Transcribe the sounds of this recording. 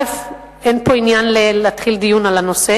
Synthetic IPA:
ef | enpo̞injanlelat̪χild̪ijunalano̞se

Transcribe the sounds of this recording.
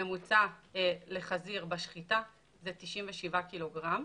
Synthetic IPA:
emut͡sale̞χaziʁbaʃχita | zetiʃimveʃivakilo̞ɡʁam

